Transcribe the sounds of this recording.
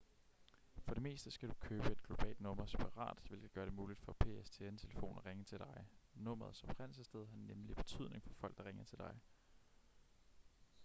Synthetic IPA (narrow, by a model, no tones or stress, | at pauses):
fɒ̽ɾ̥e̝me̝̰ːsd̥əsɡ̥æd̥ukʰøːb̥əed̚ɡ̥lo̝b̥ɛ̰ːld̥nɔ̽m̰ɐseb̥ʰɑ̈ʁɑ̰̈ːd̥ʋe̝l̰ɡ̥əɡ̥ɶːɐɾ̥e̝muːlid̥fɒ̽pʰe̝̰est͡sʰe̝ent͡sʰe̝ləfo̝̰ːnʁeŋət͡sʰe̝ld̥ɑ̈ɪnɔ̽m̰ɐð̩ˠsɒ̽b̥ʰʁɛn̰l̩səsd̥eð̞ˠɦɑ̈nemlib̥e̝̥t͡sʰy̰ð̞̰ˠne̝ŋfɒ̽fɒ̽l̰ɡ̥̚d̥ɑʁeŋɐt͡sʰe̝ld̥ɑ̈ɪ